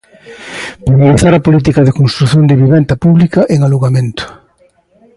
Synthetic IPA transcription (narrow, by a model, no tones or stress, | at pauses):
pɾeβaβeθaɾɐpolit̪̬ikɐðɪkonst̪ɾuθjond̪eβiβɛnt̪ɐpuβlikɐʔeŋaluɣamẽnt̪ʊ̥